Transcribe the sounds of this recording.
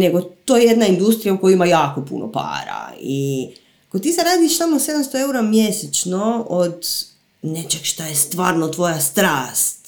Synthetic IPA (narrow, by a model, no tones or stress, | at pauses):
ne̞ɡot̪oːjeje̞d̪naind̪ust̪ɾijaukojuimajaːko̞pṵnʔo̰pa̰ːɾa̰i | akot̪iːseɾaːd̪iʃsamose̞d̪amst̪oe̞uɾamjeset͡ʃnood̪ | net͡ʃekʃt̪ajest̪ʋaːɾnot̪ʋo̞jast̪ɾaːst̪